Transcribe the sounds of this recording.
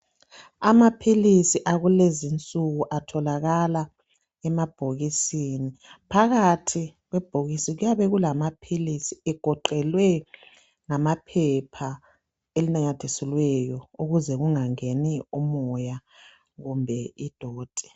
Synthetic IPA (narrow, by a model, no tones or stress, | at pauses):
amapʰilisiʔaɣulezint͡sʼuɣuʔatʰɔlaɣala | ɛmab̥ʱoɣisinipʰaɣatʰiɣwɛb̥ʱoɣisiɣujaβɛɣulamapʰilisiɛɡ̥ʱɔǃɛlwɛ | ŋamapʰɛpʰa | elinaɲatʰesɛlwɛjɔuɣuzɛɣuŋaŋeniumɔja | ɣumbʱɛid̥ʱɔːd̥ʱɛ̥